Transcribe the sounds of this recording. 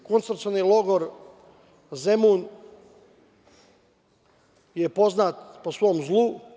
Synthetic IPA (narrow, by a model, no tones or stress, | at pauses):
konsɾt̪sionilˠoɡoɾ | zemun | jepo̞znat̪posʋo̞ːmzlˠu